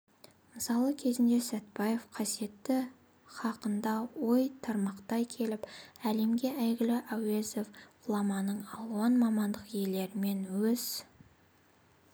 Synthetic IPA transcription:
məsɑlˠəkʲʰe̞zɪnd̪e̞sæt̪̚pɑje̞fqʰɑsije̞t̪ːɪ | χɑqənd̪ɑwo̞jt̪ʰɑɾmɑqt̪ɑjkʲʰe̞lɪpæle̞mɡʲe̞ʔæjɡʲɪlɪʔæwe̞zo̞flˠɑmɑnəɴɑlˠuɑnmɑmɑnd̪əqje̞le̞ɾɪme̞nwɵz̥

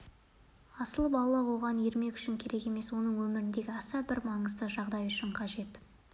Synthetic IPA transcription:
ɑsəlˠəbɑlˠɑlˠɑwo̞ʁɑnje̞ɾme̞kʏ̥ʃɪŋkʲʰe̞ɾʔe̞kʲe̞me̞swo̞nəɴwɵmɪɾɪnd̪e̞ɡʲɪɑsɑbɪɾmɑɴəzd̪əʒɑʁd̪ɑjʏʃɪɴqʰɑʒe̞t̪

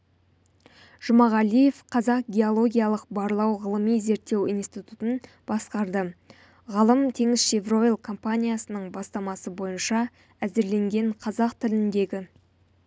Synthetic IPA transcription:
ʒ̥ʊmɑʁɑlije̞fqʰɑzɑq̚ɡʲe̞o̞lˠo̞ɡʲijalˠəq̚bɑɾlˠɑwʁəlˠəmijze̞ɾt̪ːe̞winst̪it̪ut̪ən | b̥ɑsqɑɾd̪ə | ʁəlˠəmt̪ʰe̞ŋɪzʃevro̞jlˠkʰo̞mpanʲijasənəɴbɑst̪ɑmɑsəbo̞jənʃɑ | æzɪɾle̞ŋɡʲe̞ɴqʰɑzɑqt̪ʰɪlɪnd̪e̞ɡʲɪ

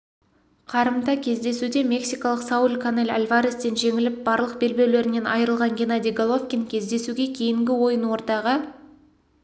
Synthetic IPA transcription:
qʰɑɾəmd̪ɑkʲʰe̞zd̪e̞sud̪e̞mʲe̞ksijkɑlˠəqsaulʲkʰonelʲa̰lʲvaɾest̪e̞nʒe̞ŋɪlɪp̚bɑɾlˠəq̚be̞lbe̞le̞ɾɪne̞nɑ̰jəɾəlˠʁɑŋɡʲe̞nad̪ijɡolˠo̞fkʲinkʲʰe̞zd̪e̞suɡʲe̞kʲʰe̞jɪŋɡʲɪwo̞jənwo̞ɾt̪ɑʁə

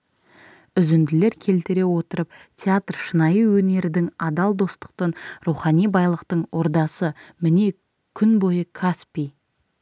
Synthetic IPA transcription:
ʏzɪnd̪ɪle̞ɾkʲʰe̞lt̪ɪɾe̞wo̞t̪əɾəpt̪ʲʰeat̪rʃənɑjəwɵne̞ɾɪd̪ɪŋɑd̪ɑlˠd̪o̞st̪ə̥qt̪ənɾuχɑnijbɑjlˠəqt̪əɴwʔo̞ɾd̪ɑsəmɪne̞ | kʲʰʏnbo̞jəkʰaspʲij

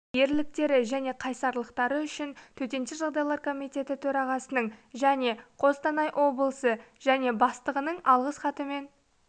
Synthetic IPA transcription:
je̞ɾlɪk̚t̪e̞ɾɪʒæne̞qʰɑjsɑɾlˠəqt̪ɑɾəʏʃɪnt̪ʰɵt̪e̞nʃɪʒɑʁd̪ɑjlˠɑɾkʰo̞mijt̪ʲe̞t̪ɪt̪ʰɵɾɑʁɑsənəɴʒæne̞qʰo̞st̪ɑnɑjʔo̞blˠəsəʒ̥æne̞bɑst̪əʁənəɴɑlˠʁəsχɑt̪əme̞n

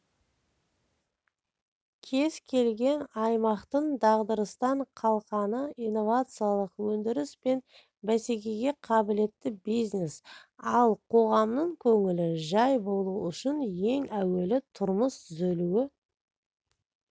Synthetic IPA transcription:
kʲʰe̞zkʲʰe̞lɡʲe̞nɑjmɑqt̪ənd̪ɑʁd̪əɾəst̪ɑɴqʰɑlˠqɑnəijnːo̞vat̪sɨjalˠəqwɵnd̪ɪɾɪspe̞n | bæse̞kʲe̞ɡʲe̞qʰɑbɪle̞t̪ːɪbijzne̞sɑlˠqʰo̞ʁɑmnəɴkʲʰɵŋɪlɪʒɑjbo̞lˠuʏʃɪnje̞ŋæwe̞lɪt̪ʰʊɾməst̪ʰʏzeluwɪ

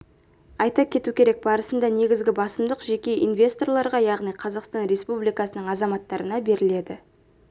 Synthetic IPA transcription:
ɑjt̪ɑkʲʰe̞t̪ukʲʰe̞ɾe̞k̚bɑɾəsənd̪ɑne̞ɡʲɪzɡʲɪbɑsəmd̪əqʒe̞kʲe̞ʔḭnvʲe̞st̪o̞rlˠɑɾʁɑjɑʁnijqʰɑzɑqst̪ɑnɾe̞spublijkɑsənəɴɑzɑmɑt̪ːɑɾənɑbe̞ɾɪle̞d̪ɪ

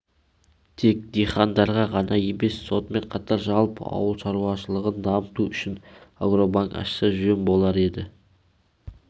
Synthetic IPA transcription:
t̪ʰe̞k̚d̪̥ejχɑnd̪ɑɾʁɑʁɑnɑjeme̞sːo̞t̪me̞ɴqʰɑt̪ɑɾʒɑlˠpɑ̰wəlˠʃɑɾuwɑʃəlˠəʁənːɑmət̪uʏʃɪna̰ɡɾo̞bɑŋkɑ̰ʃːɑʒʏenbo̞lˠɑɾe̞d̪ɪ

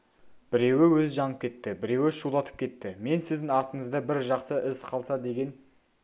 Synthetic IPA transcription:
b̥ɪɾe̞wɪwɵzʒɑnəp̚kʲʰe̞t̪ːɪbɪɾe̞wɪʃulˠɑt̪ʰə̥p̚kʲʰe̞t̪ːɪme̞nsɪzd̪ɪŋɑɾt̪əɴəzd̪ɑbɪɾʒɑqsəʔɪsqʰɑlˠsɑd̪e̞ɡʲe̞n

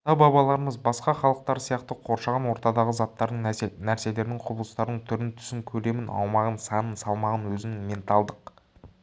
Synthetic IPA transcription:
ɑbɑbɑlˠɑɾəməzbɑsqɑχɑlˠəq̚t̪ɑɾsijɑqt̪əqʰo̞ɾʃɑʁɑnwo̞ɾt̪ɑd̪ɑʁəzɑt̪ːɑɾd̪əɴnæsenæɾse̞le̞ɾd̪ɪŋqʰʊbəlˠəst̪ɑɾd̪əɴt̪ʰʏɾnt̪ʰʏ̥sɪŋkʲʰɵle̞mɪnɑ̰wmɑʁənsɑnənsɑlˠmɑʁənwɵzɪnɪŋme̞nt̪ɑlˠd̪əq

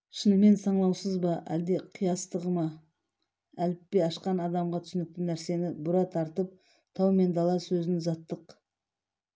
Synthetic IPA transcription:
ʃənme̞nsɑɴlˠɑwsəzbɑʔæ̰ld̪e̞qʰijɑst̪əʁəmɑ | ælpːe̞ɑʃqɑnɑd̪ɑmʁɑt̪ʰʏ̥sɪnɪk̚t̪ɪnæɾse̞nɪbʊɾɑt̪ʰɑɾt̪əp̚ | t̪ʰɑwme̞nd̪ɑlˠɑsɵzɪnzɑt̪ːəq

